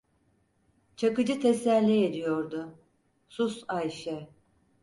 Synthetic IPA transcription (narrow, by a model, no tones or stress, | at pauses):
t͡ʃʰakɯd͡ʒɯt̪ʰesælʲːɛed̪ijo̞ɾd̪ʊ | susajʃɛ